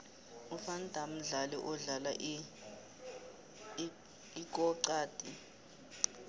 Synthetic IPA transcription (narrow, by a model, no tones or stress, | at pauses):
ufandʱam̩ɮalɛʔɔɮalaʔ | ik̬ʼɔǀaːtʼi